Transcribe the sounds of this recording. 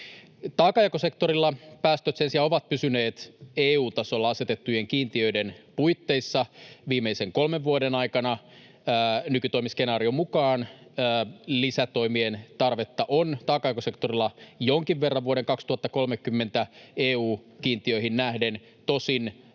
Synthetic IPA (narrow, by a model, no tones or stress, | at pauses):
t̪ɑːkɑjkose̞kt̪oɾilːɑpæːst̪øt̪sensiɑoʋɑt̪̚pysyne̞ːt̪eːuːt̪ɑsolːɑɑse̞t̪et̪ːuje̞ŋkiːnt̪iøidenpujt̪ːe̞jsːɑʋiːmeiseŋko̞lmeʋʋuodenɑjkɑnɑː | nykyt̪oimiske̞nɑːɾio̞mukɑːnː | lisæt̪o̞jmient̪ɑrʋe̞t̪ːɑʔont̪ɑːkɑjkose̞kt̪o̞rilːɑjo̞ŋkiʋʋerːɑʋʋuoɾeŋkɑkst̪uhɑt̪ːɑko̞lmekːymːe̞nt̪æeːuːkiːnt̪iøiɦinnæhden | t̪o̞sin